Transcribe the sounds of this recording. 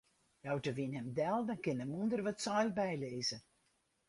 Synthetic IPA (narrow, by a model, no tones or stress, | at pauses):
jɔwtəʋinɦɛmdɛlˠdənkɪnəmundərʋɔtsɔjlbɛjleːzə